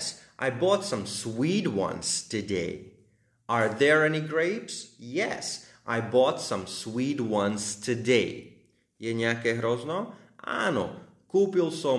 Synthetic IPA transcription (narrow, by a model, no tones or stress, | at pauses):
sʔaɪbɔtsʌ̃mswidwʌ̰̃nz̥tʰɨdeɪ | ə˞ðə˞ɛniɡɹeɪpsjɛ̰sʔaɪbɔtsʌ̃mswid̚wʌ̃nz̥tʰɨdeɪ | jɛɲakɛhɾoznɔ | a̰no | kupilˠso